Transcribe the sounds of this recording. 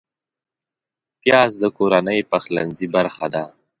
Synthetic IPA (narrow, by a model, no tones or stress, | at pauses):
t̪jɑːs̬d̪əkoɾanəjpaxlanzibaɾxad̪a